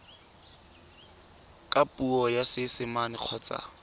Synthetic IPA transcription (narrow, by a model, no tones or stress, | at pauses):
kʼapʼuɔjasɪsɪmanɪq͡χʰɔt͡sʼa̰